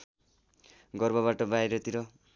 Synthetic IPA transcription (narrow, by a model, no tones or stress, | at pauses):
ɡʌrbʌβaʈʌbajɾʌt̪iɾʌ